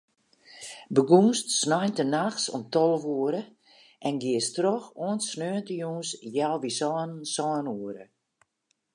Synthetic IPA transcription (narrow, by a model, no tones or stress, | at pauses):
bəɡuːnstsnajntənaxsɔ̰mtɔlˠəʋuəɾə | ʔɛnɡɪəstrɔxoənsnøːəntəjuːnsjalˠʋisɔːnsɔːnuəɾə̰